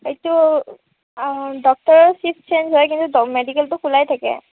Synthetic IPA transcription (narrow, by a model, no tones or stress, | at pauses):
etu | dɔk̚tɔɹɔsip̚ʰt͡ʃʰensɔjkintudɔmedikɛltʊkulajtʰakɛ̰